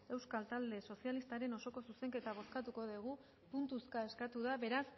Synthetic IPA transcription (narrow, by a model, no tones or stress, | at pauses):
e̞wskalt̪ald̪e̞so̞sialist̪aɾe̞no̞so̞ko̞suse̞ŋke̞t̪aβ̞o̞skat̪uko̞ð̞eɣ̞u | punt̪uskae̞skat̪uðaβe̞ɾas